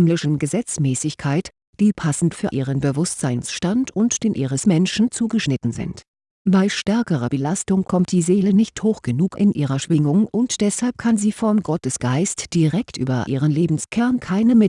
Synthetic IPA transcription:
mlɪʃn̩ɡəzɛt͡smɛːsɪçkʰaɪt | d̥iːpʰasn̩tfyːɐʔiːʁənbəvʊstz̥aɪnsʃtantʊntd̥eːnʔiːʁəsmɛnʃn̩t͡suːɡəʃnɪtn̩zɪ̰nt | b̥aɪʃtɛɐkəʁɐb̥əlastʊŋkʰɔmt̚d̥iːzeːlənɪçthoːxɡ̥ənuːkɪ̰nʔḭːʁɐʃv̥ɪŋʊŋʊntd̥ɛshalp̚kʰanziːfɔmɡɔtəsɡ̥aɪstd̥iʁɛktʔy̰ːbɐ̰ʔiːʁ̞ənleːbm̩skʰɛɐnkʰaɪnəmɪ

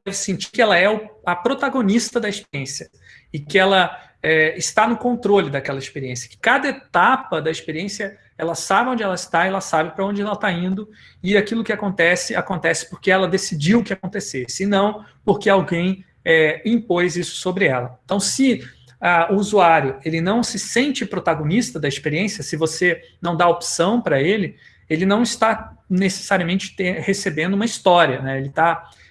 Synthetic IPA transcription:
d̪ɛvɪsẽt͡ʃikɪɛlɐɛʊɐpɾot̪aɡonist̪ɐd̪ɐɪspeɾiẽsjɐ | ɪkɪɛlɐ | ɛɪst̪anʊkõnt̪ɾolɪd̪ɐkɛlɐɪspeɾiẽsjɐ̥kɪ̥kad̪ɐet̪apɐd̪ɐɪspeɾiẽsjɐ | ɛlɐsabɪõd͡ʒɪɛlɐɪst̪aɛlɐsabɪpɾɐõd͡ʒɪɛlɐt̪aĩnd̪ʊ | ɪakilʊkɪakõnt̪ɛsɪa̰kõnt̪ɛsɪ̥poɾkeɛlɐd̪esid͡ʒiwʊkɪakõnt̪esesɪɪnɐ̃w̃poɾkeawɡẽj̃ | ɛĩpojzisʊ̥sobɾɪɛlɐẽnt̪ɐ̃w̃sɪ | aʊuzuaɾjʊelɪnɐ̃w̃sɪsẽnt͡ʃɪpɾot̪aɡõnist̪ɐd̪ɐɪspeɾiẽsjɐsɪvosenɐ̃w̃d̪aopsɐ̃w̃pɾɐelɪ | elɪnɐ̃w̃ɪst̪anese̥saɾiɐmẽnt͡ʃɪ̥t̪ẽhesebẽnd̪ʊũmɐist̪ɔɾiɐnɛelɪt̪a

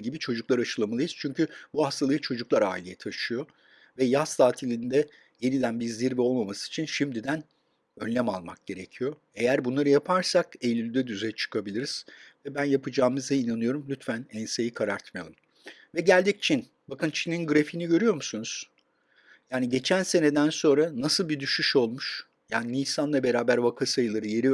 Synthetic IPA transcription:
ɟibit͡ʃʰo̞d͡ʒuklˠaɾaʃɯlˠamalˠɯjiz̥t͡ʃʰyɲcybuhast̪ʰalˠɯɯt͡ʃʰo̞d͡ʒuklˠaɾa̰ːilʲejɛt̪ʰaʃɯjo̞ | vɛjast̪ʰaːt̪ʰilʲind̪ɛ | je̞nid̪ænbizziɾvɛo̞lˠmamasɯ̥it͡ʃʰinʃimd̪id̪æn | ønlːʲɛmalˠmak̚ɟ̥e̞ɾe̞cʰijo̞ | e̞jæɾbunlˠaɾɯjapʰaɾsakejlʲylʲyd̪ɛd̪yzɛjɛt͡ʃʰɯ̥kʰabilʲiɾiz̥vɛbænjapʰɯd͡ʒaːmɯzd̪ainanɯjo̞ɾumlʲyt̪fænɛnsejikʰaɾaɾt̪maja̰lˠɯ | vɛɟælʲd̪ic̚t͡ʃʰin | bakɯnt͡ʃʰininɡɯɾefiːniɟø̞ɾyjo̞ɾmusunuz̥ | jaːniɟe̞t͡ʃʰænse̞ne̞d̪ænso̞nɾanasɯlˠbid̪yʃyʃo̞lˠmuʃ | jaːninʲisanlˠabe̞ɾaːbæɾvakʰasajɯlˠaɾɯje̞ɾi

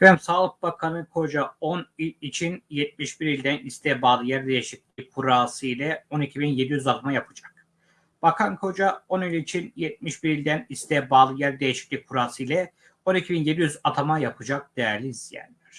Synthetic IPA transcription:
bæmsaːlˠɯk̚bakʰanɯkʰo̞d͡ʒaonilit͡ʃʰinjɛt̪̚miʃbiɾilʲd̪ænist̪ʰɛbaːlˠɯjæɾd̪e̞jiʃiclʲikʰuɾaːsɯilʲɛo̞nicʰibinje̞d̪ijyzat̪ʰamajapʰɯd͡ʒak̚ | b̥akʰankʰo̞d͡ʒao̞nilʲit͡ʃʰinjɛt̪̚miʃbiɾilʲd̪ænist̪ʰɛbaːlˠɯjæɾd̪ejiʃi̥clʲic̚ʲkʰːuɾaːsɯjlʲɛ | o̞nicʰibinje̞d̪ijyzat̪ʰamajapʰɯd͡ʒak̚d̪̥ejæɾlʲiːzijæ̰nlʲæɾ̥

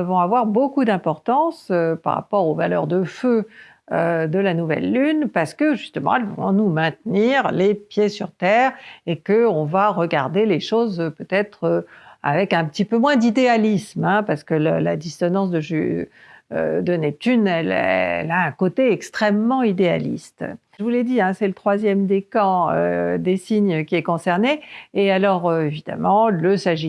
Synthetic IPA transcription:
əvɔ̃avwaʁbokud̪ɛ̃pɔʁt̪ɑ̃søpa̰ʁa̰pɔʁovalœ̰ʁd̪əfø | ød̪əlanuvɛ̰lːynpaʁsə̥kəʒyst̪əmɑ̰̃ɛlvɔ̰̃numɛ̃t̪niʁlepjesyʁt̪ɛːʁekəɔ̃vaʁəɡaʁd̪eleʃozpøt̪ɛt̪χøa̰vɛkɛ̃pə̥t̪ipømwɛ̃d̪id̪ealismɛ̃paʁsə̥kəllad̪isɔnɑ̃s̬d̪əʒy | ød̪ənɛp̚t̪ynɛlɛ̰laɛ̃kot̪eɛkst̪χɛmːɑ̃id̪ea̰lḭst̪ | ʒəvulɛd̪iɛ̃sɛlət̪χwazjɛmd̪ekɑ̃ø̰d̪esiɲəkʲiɛkɔ̃sɛʁneːalɔʁøevid̪a̰mɑ̃ləsaʒi

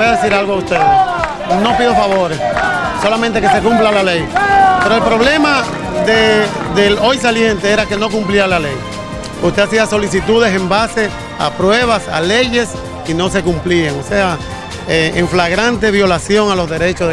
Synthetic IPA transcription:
eaðesiɾalɣoaust̪eðe | no̞piðofaβo̞ɾes | so̞lamẽnt̪e̞ke̞se̞kumplalalejpe̞ɾoelpɾo̞β̞le̞ma | ðeðelo̞js̬alje̞nt̪e̞eɾake̞no̞kumpliealale̞j | ust̪e̞asiaso̞lis̬it̪uðe̞se̞mbase̞ | a̰pɾwe̞β̞asa̰le̞ʝe̞s | ino̞s̬e̞kumpliaŋose̞a | eeɱflaɣɾant̪e̞βjo̞lasjo̞ŋalo̞zðe̞ɾe̞t͡ʃo

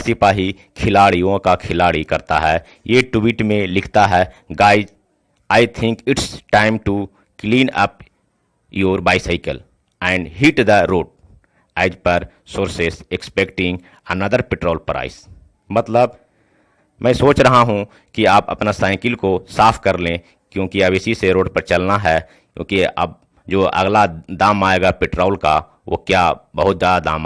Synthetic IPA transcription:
sɪpaːɦi | kʰɪlaːɭijõkakʰɪlaːɭikɐɾt̪a̰ɦɛː | jeʈuiʈmẽlɪkʰt̪aɦɛ | ɡaːɪd͡ʒ | aːɪt̪ʰɪ̃ŋkɪʈsʈãɪ̃mʈu | klĩːnɐ̰p | joːɾbaːɪsaɪkəl | ɛ̃ɳɖɦiʈd̪əɾoːʈ̚ | ɛːd͡ʒpɐɾ | soːɾsesekspekʈɪ̃ŋɡ | ənəd̪əɾpɪʈɾoːlpɐɾa̰ːɪ̰s | mɐt̪ləb | mɛ̃ːsoːt͡ʃɾɐɦaɦũ | kiaːpɐ̰pnasaːɪkɪlkosaːfʰkɐɾlẽ | kjõːkiɐbɪsiseɾoːɖpəɾt͡ʃɐlnaɦɛ | kjõ̰ːkiɐ̰b̚ | d͡ʒoːʔɐ̰ɡlad̪aːmaːeːɡapɪʈɾoːlka | ʋʔo̰kjaːbɐɦʊt̪̚d͡ʒjaːd̪ad̪a̰ːm

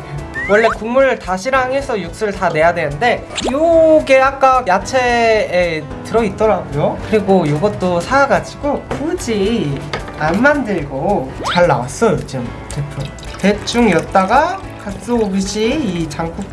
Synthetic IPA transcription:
wʌɭːe̞kuŋmuɾtaɕʰiɾaŋɦe̞sʰʌjuk̚s͈uɯɭtane̞jadwe̞nɯnde̞ | joɡeak̚k͈ajat͡ɕʰe̞ː | tɯɾʌit̚t͈ʌɾaɡojokɯɾiɡojoɡʌt̚t͈osʰaɾaɡad͡ʑiɡokud͡ʑi | anmandɯɭɡot͡ɕaɭːa̰was͈ʌjot͡ɕim | tʰepʰo | te̞t͡ɕ͈ʰuŋjʌt̚t͈aɡa | kak̚s͈oobiɕʰiit͡ɕaŋp͈ʰu

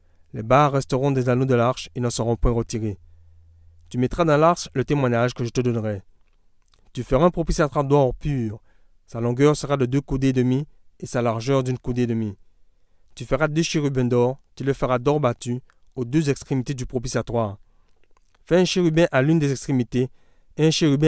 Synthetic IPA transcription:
lɛbaʁːɛst̪əʁɔ̃d̪ɛzanod̪əlaʁʃenəsəʁɔ̃pwɛ̃ʁət̪iʁe | t̪ymɛt̪χad̪ɑ̃laʁʃlət̪emwaɲaʒkəʒət̪əd̪ɔnʁɛ | t̪yfəʁaɛ̃pχɔpisjat̪waʁd̪ɔʁpyːʁ | salɔ̃ɡœʁsəʁad̪əd̪økud̪ed̪əmiesalaʁʒœʁd̪ynkud̪ed̪əmi | t̪yfəʁad̪øʃeʁybɛ̃d̪ɔʁt̪yləfəʁad̪ɔʁbat̪y | od̪øzɛkst̪χemit̪ed̪ypχopisiat̪waːʁ | fɛɛ̃ʃeʁybɛ̃ʔalynd̪ezɛkst̪χemit̪e | ɛ̃ʃeʁybɛ̃

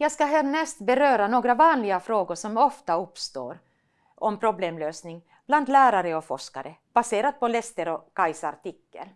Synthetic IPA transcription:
jɑːɡskaɦæːɾɳɛst̪bɛɾøːɾanoːɡɾavɑːnlɪɡafɾoːɡʊʂɔmɔft̪aɵpːst̪o̰ːɾ | ʔɔmpʰɾʊbleːmløːsnɪŋ | b̥land̪læːɾaɾəɔfɔʂka̰ɾəb̥aseːɾad̪̚pʰɔlɛst̪əɾɔkajsa̰ɾʈ̪ɪkːə̰l

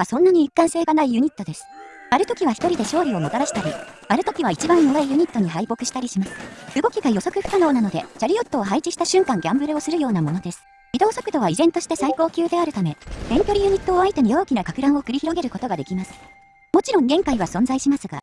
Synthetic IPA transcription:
asõ̞nːaɲ̟iːkːãɰ̃se̞ːɡanaijɯ̟ɲ̟it̪ːo̞d̪e̞sɨ̥ | aɾɯ̟t̪o̞kʲiβaçi̥t̪o̞ɾʲid̪e̞ɕo̞ːɾʲio̞mo̞t̪aɾaɕi̥t̪aɾʲi | aɾɯ̟t̪o̞kʲiβait͡ɕibãɰ̃jo̞ɡaijɯ̟ɲ̟it̪ːo̞ɲ̟iɦaibo̞kɯ̟̥ɕi̥t̪aɾʲiɕimasɨ̥ɯ̟ɡo̞kʲiɡajo̞so̞kɯ̟ɸɯ̟̥kano̞ːnano̞d̪e̞̰t͡ɕaɾʲiot̪ːo̞ːɦait͡ɕiɕi̥t̪aɕɨ̃ŋkãŋɡʲãmbɯ̟ɾɯo̞sɨɾɯ̟jo̞ːnamo̞no̞d̪e̞sɨ̥id̪o̞ːso̞kɯ̟d̪o̞β̞aizẽ̞nt̪o̞ɕi̥t̪e̞saiko̞ːkʲɨːd̪e̞aɾɯ̟t̪ame̞tẽ̞ŋkʲo̞ɾʲijɯ̟ɲ̟it̪ːo̞ːait̪e̞ɲ̟io̞ːkʲinakakɯɾãɰ̃o̞kɯ̟ɾʲiçiɾo̞ɡe̞ɾɯ̟ko̞t̪o̞ɡad̪e̞kʲimasɨ̥ | mo̞t͡ɕiɾõ̞ŋɡẽ̞ŋkaiβasõ̞nd͡zaiɕimasɨɡa̰

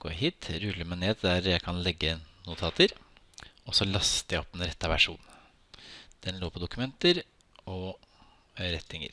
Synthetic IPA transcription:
ɡ̥o̰ɦiːt̪ɾʉlːəmæɪneːd̪d̪æɾjæɪkʰɑnlɛɡːənʊt̪ʰɑːt̪ʰəɾ | ɔsɔlɑst̪əjæɪɔpːɛnɾɛt̪ːɑʋæʂṵːn | d̪̥ɛnloːpʰɔd̪ʊkʉmɛnt̪əɾ | ɔ | ɾɛt̪ɪŋə̰ɾ

